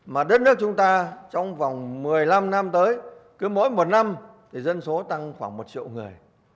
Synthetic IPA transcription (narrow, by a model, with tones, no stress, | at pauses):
maː˨˩ɗə˦˥t̚nɨ˦˥ək̚t͡ɕʊ˨˦ŋ͡mt̪aː˧t͡ɕɔ˧wŋ͡mva˨˩wŋ͡mmɨ˨˩əjla˧mna˧mt̪əː˨˦jkɨ˨˦mo̰˧˥jmo˨˩t̚na˧mt̪ʰi˧˩zə˧nso˨˦t̪a˧ŋxwaː˧˩ŋmo˨˩t̚t͡ɕḭ˧˨əwŋɨ˨˩əj